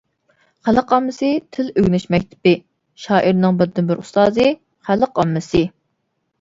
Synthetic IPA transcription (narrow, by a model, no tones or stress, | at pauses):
χæləqɑmːɨsɨt̪ʰɪløɡʲnɪʃmɛk̚ʲt̪ʰɪ̥pɪ | ʃɑːʔiɾnɨŋbɪɾd̪ːɪmbɪɾust̪ɑːzɨ | χæləqɑmːɨsɨ